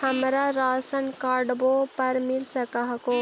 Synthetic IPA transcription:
həmɾaɾaːsənkaɾɖbopəɾmilsəkaɦko

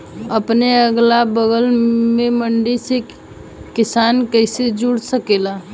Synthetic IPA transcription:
əpneəɡlabəɡəlmeməɳɖisek | kɪsankəɪsed͡ʒuɽsəkela

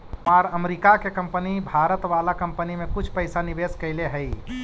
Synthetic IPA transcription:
aɾəmɾikakekəmpənibʱaːɾət̪ʋalakəmpənimẽkʊt͡ʃʰpəɪsaniʋeskəɪleɦəj

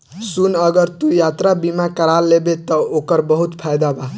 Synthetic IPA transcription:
sunʌɡʌɾt̪ujat̪ɾabimakəɾalːebet̪ʌokʌɾbʌɦut̪pʰajd̪aba

